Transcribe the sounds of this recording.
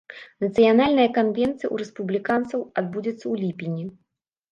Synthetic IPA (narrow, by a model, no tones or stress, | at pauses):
nɐt̪sɨjanalʲnɐjɐkanvʲɛnt̪sɨjɐ̰ṵɾɛspublʲikant̪sɐwad̪̚bud͡zʲɛt̪sːɐwlʲipʲinʲi